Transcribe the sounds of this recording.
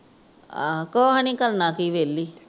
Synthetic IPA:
a̰koɦanĩːkəlnãːkiːʋeːlːiː

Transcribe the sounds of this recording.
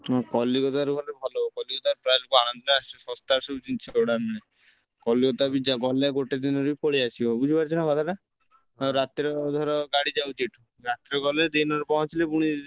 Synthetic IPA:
ɔkɔliɡɔt̪aɾuɡʱɔlebʱɔlɔkɔliɡɔt̪aɾpɾajlukuañɔnd̪ɔnaast͡ʃusɔ̃st̪aɾsubud͡ʒinit͡ʃʰoɽamñe | kɔliɡɔt̪abid͡ʒaɡɔleɡoʈed̪inɔɾuipɔɽiasʰiɔbud͡ʒʱibaɾd͡ʒʰɔñɔkɔt̪ʰaɾa | ɾat̪ɾɔd̪ʱɔɾɔɡaɽid͡ʒawt̪iʈʰu | ɾat̪ɾɔɡɔled̪inɔɾupɔɦɔ̃t͡ʃʰilepuɽ̃i

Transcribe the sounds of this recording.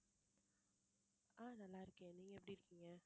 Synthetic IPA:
aːnɐlːaːɪɾɯkːẽːniːŋɡɐɛpːɐɽiɪɾɯkːiːŋɡɐ

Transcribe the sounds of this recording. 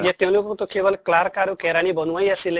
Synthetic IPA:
d͡ʒet̪ẽlokot̪okeʋəlklaɾkaɾukeɾaɽ̃ibənuʋajəsil

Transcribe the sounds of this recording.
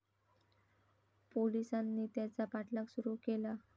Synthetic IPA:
polisanːiːt̪jat͡sapaʈlaksuɾuːkela

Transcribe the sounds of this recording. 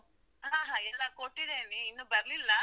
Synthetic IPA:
ɦãːɦãːɛlːɐkoʈːid̪eːniːnːuːbɐɾlilːɐ

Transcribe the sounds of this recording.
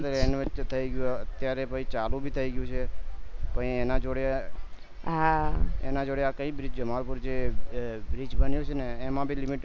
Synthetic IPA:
t̪əkeneət͡ʃt̪ʰəiɡjũeət̪jaɾepəit͡ʃalũbʱit̪ʰəiɡjũt͡ʃʰepəĩenãd͡ʒoɽja | ɦaḛnãd͡ʒoɽjakəibɾid͡ʒd͡ʒəmaɾpuɾd͡ʒe | bɾit͡ʃbənjot͡ʃʰeneːmãbʱilimiʈ

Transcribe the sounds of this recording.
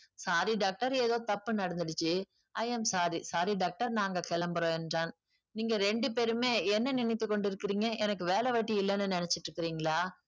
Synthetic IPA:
saːɾiɖaːk̚ʈɐɾeːðoːt̪ɐpːɯnɐɽɐnd̪ɯɽɯt͡ʃːɯ | ɐjɐmsaːɾisaːɾiɖaːk̚ʈɐɾnaːŋɡɐkɛlɐmbɐɾõːɛndraːn | niːŋɡɐɾɛɳɖɯpeːɾɯmeːɛnːɐnɪnɐɪt̪ːɯkːɔɳɖɪɾɯkːɪɾiːŋɡɐʔɛnɐkːɯʋeːlɛʋɐʈːiɪlːɛnːɯnɪnɛt͡ʃːɪʈɾɯkːɪɾiːŋɡɐɭaː

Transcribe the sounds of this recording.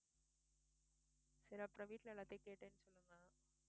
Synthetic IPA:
sɪɾɐpɪɾɐʋiːʈlɐɪlɐt̪ːekeːʈːeːnːɯsɔlːɯŋɡɐaː

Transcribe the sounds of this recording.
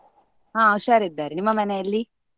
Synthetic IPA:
ɦãːɐwʃaːɾid̪ːaːɾinimːɐmɐneɐlːi

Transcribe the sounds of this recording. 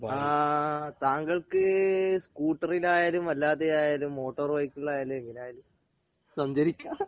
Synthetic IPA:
at̪aːŋɡɐɭkɨskuːʈːɐrilaːjaːlumɐlːaːðejaːjaːlumːo̞ːʈːɐrʋɐjkːuɭːaːjaːleŋinaːjalum | sɐɲd͡ʑɐɾikʲːaː

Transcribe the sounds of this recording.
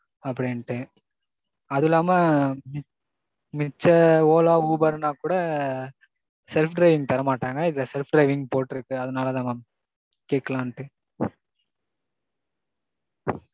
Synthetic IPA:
ɐpːɐɽɪnʈːɯ | ɐðɪlːaːmɐmɪ | mɪt͡ʃːɐoːlaːuːbɐɾnaːkuːɽɐ | sɛlfɖɾɐɪʋɪŋɡ̚t̪ɐɾɐmaːʈːaːŋɡɐɪðɪlɐsɛlfɖɾɐɪʋɪŋɡpoːʈːɪɾɯkːɯɐðɐnaːlɐd̪aːma | keːkːɐlãːnʈːɯ

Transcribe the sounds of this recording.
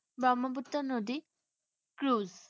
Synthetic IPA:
bamabutːanɔdi | kɾuz

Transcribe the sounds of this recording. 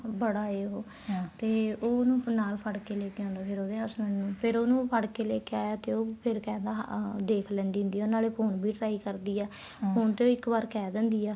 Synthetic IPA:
bəɽaːeːɦoː | t̪eːoːnũːnaːlpʰəɽkeːleːkeãːnd̪aːpʰɪɾoːd̪eːəsnənnũːpʰɪɾoːnũːpʰəɽkeːleːkeaːjaːt̪eːoːpʰɪɾkɛ̃ːd̪aːd̪eːkʰlɛ̃ːnd̪iːʊ̃nd̪iːɛoːnaːleːpʰoːnbʱiːʈɾaːiːkəɾd̪iːɛː | pʰoːnt̪eːoːɪkːbaːɾkɛːd̪ɛ̃ːnd̪iːɛː

